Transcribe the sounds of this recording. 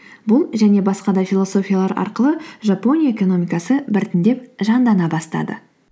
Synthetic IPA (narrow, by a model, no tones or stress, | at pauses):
bʊlˠʒæne̞bɑsqɑd̪ɑfʲilˠo̞so̞fʲijalˠɑɾʔɑ̰ɾqəlˠəʒɑpo̞nʲijaeko̞no̞mʲijkɑsəbɪɾt̪ɪnd̪e̞p̚ʒɑnd̪ɑnɑbɑst̪ɑ̰d̪ə̰